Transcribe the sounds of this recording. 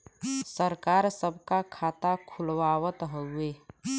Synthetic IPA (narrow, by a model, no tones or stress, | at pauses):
səɾkaːɾsəbʱkakʰaːt̪akʰʊlwaːwət̪ɦəueː